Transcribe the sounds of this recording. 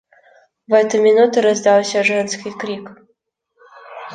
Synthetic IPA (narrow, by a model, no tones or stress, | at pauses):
vɛt̪ɨmʲɪnut̪ɨɾɐzd̪ɑlˠsʲəʐɛnskʲijkɾʲik